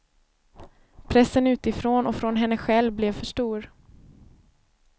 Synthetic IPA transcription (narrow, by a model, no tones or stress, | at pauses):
pʰɾɛsːənʉ̟ːt̪ɪfɾoːnɔfɾɔnɦɛnːəɧɛlvblɛvfœʂʈuːɾ